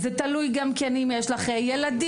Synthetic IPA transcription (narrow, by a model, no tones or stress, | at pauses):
zet̪alujɡamkenimjeʃlaχejelad̪i